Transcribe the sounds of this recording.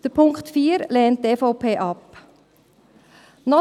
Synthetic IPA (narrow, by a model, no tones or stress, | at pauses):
d̥əpʰʊŋktfiːɾlɛːnt̚defoʊpʰeːʔɑp | nɔ